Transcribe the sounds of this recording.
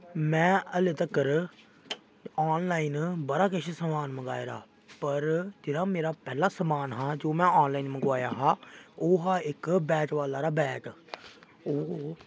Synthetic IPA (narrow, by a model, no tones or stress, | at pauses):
mɛ̃ːəlet̪əkːəɾ | aːnlaːinbəɽaːkɪt͡ʃʰsəmaːnməɡaːeɾa̰ː | pəɾd͡ʒɪɽãːmeːɾaːpɛːlaːsəmaːnɦãːd͡ʒoːmɛ̃ːaːnlaːinməɡʋaːjaːɦaːoːɦaːɪkbɛːʈʋaːlaːɾaːbɛːʈ | oː